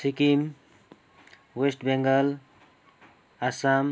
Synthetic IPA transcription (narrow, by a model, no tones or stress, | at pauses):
sikim | wesʈbeŋɡəl | asam